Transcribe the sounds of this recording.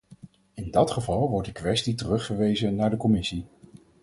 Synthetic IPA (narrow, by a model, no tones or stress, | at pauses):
ɪndɑtχəvɑlˠʋɔɹ̚t̚dəkʋɛstitərɵχəɹʋejzənaːɹdəkɔmɪsi